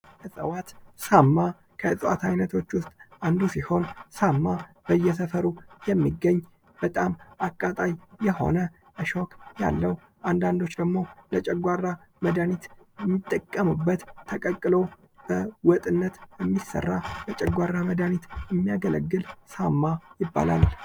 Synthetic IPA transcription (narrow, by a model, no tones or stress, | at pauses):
kəsʼəwat̪samːa | kʰəɨsʼəwa̰t̪ʰajnət̪ʰo̞t͡ʃːwʊst̪ʼand̪usiho̞nsamːa | b̥əjːɛs̬əfəɾujɛmːiɡːəɲː | b̥ət̪ʼamakʼːat̪ʼajːɛho̞̰nə | ʔəʃo̞kja̰lːəw | ʔand̪and̪o̞t͡ʃːd̪əɡmo̞lət͡ʃʼɛɡʷarːa | məd̪anit̪ɛmːit̪ʼːəkʼːəmubːət̪ʰːəkʼəkʼːɨlo̞ | b̥əwɔt̪ʼɨnːət̪jɛmːisːə̰rːabət͡ʃʼɛɡʷarːaməd̪anit̪jɛmːijaɡələ̰ɡːɨlsamːajɪbːa̰la̰l